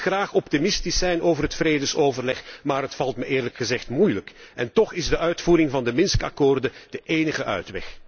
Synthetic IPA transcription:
xraːχɔptimɪstɪsɛjnoːwvərɦətfreːdəsoːvərlɛxmaːɾɦətfɑlˠtməʔɪːrləkxəzɛxtmujləkɛntɔχɪzdəʔœɥtfuːɾɪŋvɑndəmɪnskɑ̰koːrdəd̥əʔeːnəɣəʔœ̰ɥtʋɛ̰x

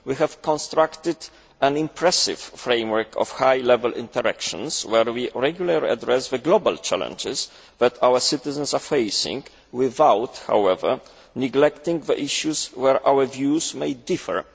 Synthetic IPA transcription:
wiɦɛvkɔ̃nst̪ɾakt̪ɪd̪ | ɛ̃nĩmpʰɹɛsɪ̰fːɾẽjmwɛɹkʰɔ̰fhajlɛvɛlʔḭ̃nt̪ɛɾɛkʃɔ̰̃nswɛɹwiɹɛɡjulalḭʔa̰d̪ɹɛsðəɡlɔba̰lt͡ʃa̰lɛ̰̃nd͡ʒɪs | ðɛt̪ʰawəsɪt̪ɪzɛ̃nsafejsḭ̃ŋɡ | wɪðawt̪ha̰wɛvə̰ɹ | nɪɡlɛkt̪ĩŋɡðə̰ʔiʃjuswɛɹʔawəvjusmejd̪ifɛ̰ɹ

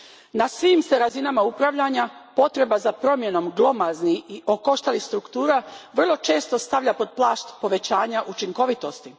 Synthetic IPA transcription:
nasʋiːmse̞ɾazinamaupɾaʋʎaɲapo̞t̪ɾe̞bazapɾo̞mje̞no̞mɡlˠo̞mazniiʔo̞ko̞ʃt̪alixst̪ɾukt̪uːɾaʋr̩lˠo̞t͡ʃe̞ːst̪o̞st̪aʋlʎapo̞d̪̚plˠaːʃt̪po̞ʋe̞t͡ɕaːɲaʔut͡ʃiŋko̞ʋit̪o̞st̪i

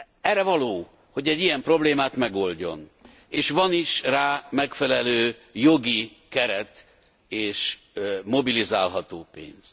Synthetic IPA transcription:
ɛrːɛvɒloː | ho̞ɟɛɟːijɛmpro̞bleːmaːt̪mɛɡo̞lɟo̞̰n | eːʃʋɒniʃraːmɛkfɛlɛløːjo̞ɡi | kɛɾɛt̪ | eːʃ | mo̞bilizaːlɦɒt̪oːpḛːnz̥

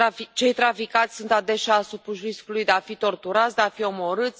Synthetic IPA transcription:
ait͡ʃe̞jt̪ɾafikat̪sʲsunt̪ad̪e̞ʃaːsupuʃɾiskulujd̪eafit̪o̞rt̪uɾat̪sʲd̪eafio̞mo̞ɾɨt̪sʲ

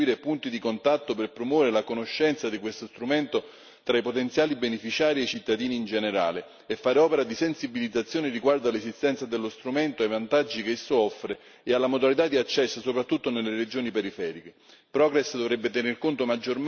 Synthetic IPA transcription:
iːɾepunt̪id̪ikont̪at̪ːoperpɾomwɔveɾelakonoʃːɛnt̪sad̪ikwest̪ost̪ɾument̪o | t̪ɾaipot̪ent̪sjaːlibenefit͡ʃaːɾiet͡ʃit̪ːad̪iːniːnd͡ʒeneɾa̰ːleː | fːaːɾeɔːpeɾad̪isensibilid̪zːat̪sːjoːneriɡward̪alesist̪ɛnt̪sad̪elːost̪ɾumɛnt̪oajvant̪ad͡ʒːikesːoɔfːɾe | ealːamod̪alit̪ad̪ːiat͡ʃːɛsːsopɾat̪ːut̪ːonelːeɾed͡ʒoːnipeɾifɛːɾik̟e | pɾɔɡɾɛsd̪ovɾɛbːet̪ɛnerkont̪omad͡ʒːorm

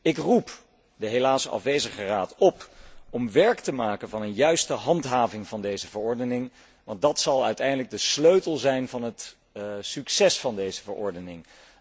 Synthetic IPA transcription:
ɪkrup | dəɦelaːsəʔɑ̰fʋejzəχəraːtɔpɔmʋɛɹktəmaːkənvɑnənjœɥstəɦɑntɦaːvɪŋvɑndejzəvəɹɔɹdənɪŋ | ʋɑnt̚dɑtsɑlˠœ̰ɥtɛjndələɡ̚dəsløɥtəlˠzɛjnvɑnɦət | syksɛsfɑndejzəvəɹʔɔ̰ɹdənɪŋ

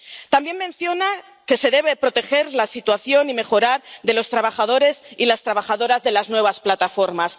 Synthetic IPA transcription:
t̪ambje̞nmẽ̞nθjo̞na | ke̞se̞ðe̞β̞e̞pɾo̞t̪e̞xe̞ɾlasit̪waθjo̞nime̞xo̞ɾaɾðe̞lo̞st̪ɾaβaxað̞o̞ɾe̞silast̪ɾaβaxaðo̞ɾazðe̞laznwe̞β̞asplat̪afo̞ɾmas

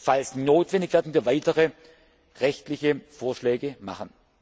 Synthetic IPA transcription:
falsnoːtv̥ɛndɪçv̥ɛɐdn̩viːɐvaɪtəʁə | ʁɛçtlɪçəfoːɐʃlɛːɡəma̰χən

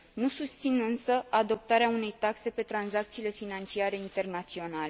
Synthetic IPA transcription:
nusust̪sinɨnsəʔad̪o̞p̚t̪aɾeaune̞jt̪akse̞pe̞t̪ɾanzak̚t̪siːle̞finant͡ʃiaɾe̞int̪e̞rnat̪sio̞nale

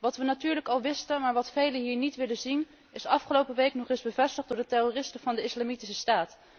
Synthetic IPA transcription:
ʋɑtʋənatyːɹləkɑlˠʋɪstəmaːɹʋɑtfejləɦiːɹnitʋɪlənzin | ɪsɑfχəlowpəʋejknɔχɪzbəvɛstəχdʊːɹdəterorɪstəvɑndəɪslamitisəstaːt

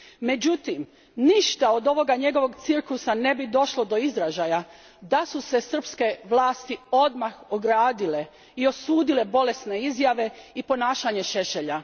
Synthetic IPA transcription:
me̞d͡ʑut̪im | niʃt̪ao̞d̪o̞ʋo̞ɡaɲe̞ɡo̞ʋo̞ɡt̪sirklusane̞bid̪o̞ʃlo̞d̪o̞izɾaʒaja | d̪asuse̞sr̩pske̞ʋlˠaːst̪io̞d̪maxoɡɾaːd̪ile̞ | io̞suːd̪ile̞bo̞le̞sne̞izjaʋe̞ipo̞naːʃaɲe̞ʃe̞ʃeʎa

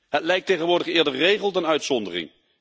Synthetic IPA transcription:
ɦətlɛjk̚tejχənʋʊːɹdəχɪːɹdəɹrejχəlˠtənœɥtsɔndərɪ̰ŋ

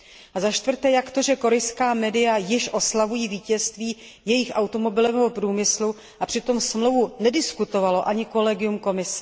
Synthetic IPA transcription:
ʔazaʃt̪vr̩t̪ɛːjakt̪o̞ʒɛko̞ɾɛjskaːmɛːdɪjajɪʃʔo̞slavujiːviːcɛst̪viː | jɛjɪxʔawt̪o̞mo̞bɪlovɛɦopɾuːmɪslu | ʔapr̥ɪt̪o̞msmlowvunɛdɪskut̪o̞valo̞ʔaɲɪko̞lɛɡɪjumko̞mɪsɛ̥

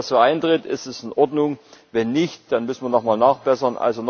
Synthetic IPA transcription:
soːʔaɪntʁ̥ɪtɪ̰stɛsɪnʔɔɐdnʊŋvɛnːɪçtd̥anmʏsn̩viːɐnɔχmaːlnaːχb̥ɛsɐnʔa̰lzon

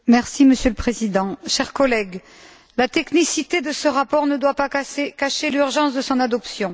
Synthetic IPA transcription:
mɛʁsiməsjøləpχezid̪ɑ̃ʃɛʁkɔlɛɡ | lat̪ɛknisit̪ed̪əsəʁapɔʁnəd̪wapakaʃelyʁʒɑ̃sd̪əsɔ̃nad̪ɔpsjɔ̃

